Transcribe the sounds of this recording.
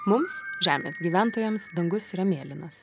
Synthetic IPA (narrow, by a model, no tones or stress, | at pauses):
mʊmsʒʲæːmʲḛsɡʲiːʋʲænt̪oːjɛmsd̪ɐŋɡʊsiːɾɐmʲeːlʲɪnɐs